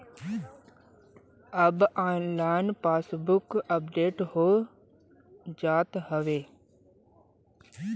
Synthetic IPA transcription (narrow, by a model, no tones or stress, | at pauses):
əbaːnlaːnpaːsbʊkəpɖeːʈɦoː | d͡ʒaːt̪ɦəʋeː